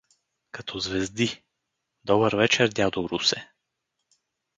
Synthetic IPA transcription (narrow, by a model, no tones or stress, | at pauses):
kɐt̪ʰɔzvɛzd̪i | d̪ɔbəɾvɛt͡ʃɛɾd̪ʲad̪oɾusɛ